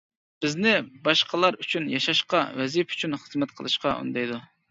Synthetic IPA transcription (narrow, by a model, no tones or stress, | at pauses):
b̥ɪznɪbɑʃqəlˠɑɾyt͡ʃʰynjɑʃɑʃqɑwɛzipy̥t͡ʃʰynχəzmɛt̪̚qʰəlˠɨʃqɑṵnd̪ɑjd̪u